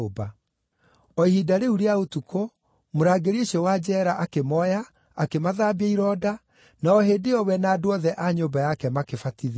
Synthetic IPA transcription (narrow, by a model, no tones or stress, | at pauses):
oba | ɔihidaɾeuɾeaotuko | moɾaɡeɾeɕiɔwad͡ʑɛːɾaʔakemɔjaː | kemaðaːbiaiɾɔda | naɔheːdeɔwɛnaːdowɔðɛʔaɲobajakɛmakefatið